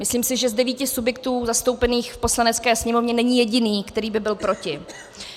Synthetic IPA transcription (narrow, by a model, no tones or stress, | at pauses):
mɪsliːmsɪʒɛzdɛviːcɪsubjɛk̚t̪uːzast̪o̞wpɛniːxfpo̞slanɛt͡skɛːsɲɛmo̞vɲɛnɛɲɪjɛɟɪniːkt̪ɛɾiːbɪbɪlpɾo̞cɪ